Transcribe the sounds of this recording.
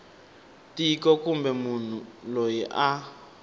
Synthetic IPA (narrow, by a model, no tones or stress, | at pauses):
tiikɔkumbɛmun̤ulojiʔa